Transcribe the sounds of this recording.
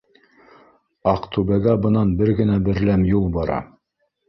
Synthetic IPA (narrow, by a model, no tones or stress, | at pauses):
ɑqt̪ʉbæɡæbɤ̆nɑnbɘɾɡɘ̆næbɘ̆ɾlæmjulˠbɑɾɑ̰